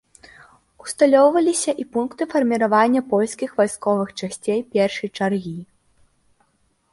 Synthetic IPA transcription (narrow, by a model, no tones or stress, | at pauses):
u̥st̪alʲɔwvɐlʲisʲɐʔipunkt̪ɨfɐrmʲiɾavanʲːɐpɔlʲskʲixvajskɔvɨxt͡ʂasʲt͡sʲejpʲɛrʂɨjt͡ʂarɣʲi